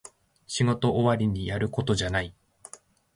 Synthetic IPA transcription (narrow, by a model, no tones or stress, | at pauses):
ɕiɡo̞t̪o̞ʔːβaɾʲiɲ̟ijaɾɯ̟ko̞t̪o̞ʑanai